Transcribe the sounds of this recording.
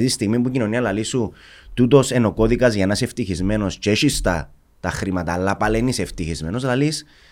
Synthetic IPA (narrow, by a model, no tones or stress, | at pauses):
it̪ist̪iɣmip̬ucino̞niɐlɐlisu | t̪ut̪̬o̞se̞no̞ko̞ðikɐzʝɐenɐseft̪içizme̞no̞st͡ʃeʃist̪ɐ̰ | t̪ɐxɾimɐt̪ɐːlːɐpɐleniseft̪içizme̞no̞slɐlis